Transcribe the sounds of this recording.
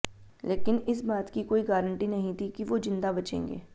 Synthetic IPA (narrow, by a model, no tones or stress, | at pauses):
lʔeːkɪnɪsbaːt̪kikoːiɡaːɾə̃ɳʈinɐɦĩt̪ʰikiʋod͡ʒɪ̃nd̪abɐt͡ʃḛ̃ːŋɡḛː